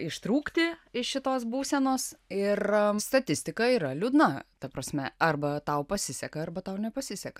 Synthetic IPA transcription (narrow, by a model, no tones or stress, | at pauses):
ɪʃt̪ɾuːkt̪ʲɪɪʃʃʲɪt̪oːs̬buːsʲɛnoːsɪrst̪ɐt̪ʲɪsʲt̪ʲɪkɐiːɾɐlʲuːd̪nɐt̪ɐpɾɐsʲmʲɛɐrbɐt̪ɐʊpɐsʲɪsʲɛkɐɐrbɐt̪ɐʊnʲɛpɐsʲɪsʲɛkɐ̥